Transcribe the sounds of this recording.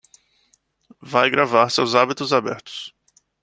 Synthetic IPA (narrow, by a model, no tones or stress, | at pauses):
vajɡɾavaɾsɪawzabit̪ʊzabɛ̰ɾt̪ʊ̥s